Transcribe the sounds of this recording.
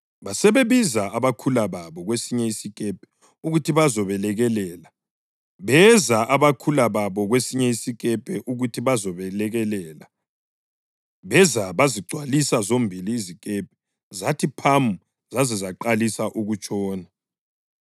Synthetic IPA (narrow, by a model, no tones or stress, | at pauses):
βasɛβeβizaaβakʰulaβaβɔɣwesiɲɛisikʼɛpʰɛ̥ | uɣutʰiβazɔβɛlɛɣɛlɛːla | βɛzaʔaβakʰulaβaβɔɣwesiɲɛisikʼɛpʰɛʔuɣutʰiβazɔβɛlɛɣɛlɛːla | βɛzaβaziɡ͡ǀʱwalisazombʱiliːzikʼɛp̚ʰɛ̥ | zatʰipʰamu | z̥azɛzaǃalisaʔuɣut͡ʃʼɔːna